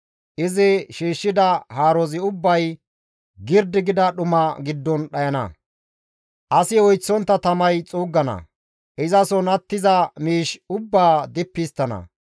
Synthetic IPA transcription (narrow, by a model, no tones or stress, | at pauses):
ʔɪzɪʃiːʃːɪd̪ɐhaːɾɔzɪʊbːɐj | ɡɪɾd̪ɪɡɪd̪ɐɗʊmɐɡɪd̪ːɔnɗɐjɐnɐ̰ | ʔɐsɪɔjt͡sːɔnt̪ːɐt̪ɐmɐjt͡sʼuːɡːɐnɐ̰ | ʔɪzɐsɔnɐt̪ːɪzɐmiːʃʊbːaːd̪ɪpːɪst̪ːɐnɐ̰